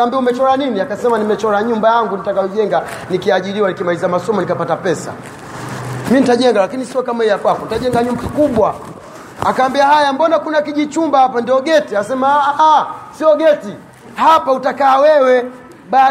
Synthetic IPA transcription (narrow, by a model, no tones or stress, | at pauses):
aːmbiaumɛt͡ʃɔɾaniniakasɛmanimɛt͡ʃɔɾaɲumbajaŋɡunitakajɔʄɛŋɡa | nikiaʄiɾiwanikimalizamasɔmɔnikapatapɛsa̰ | minitaʄɛŋɡalakinisiɔkamahɛjakwakɔnitaʄɛŋɡaɲumbakikuɓwa | akaːmbiahajambɔnakunakiʄit͡ʃumbahapandiɔɡɛtiasɛmaʔasiɔɡɛti | hapautakaːwɛwɛ | ɓa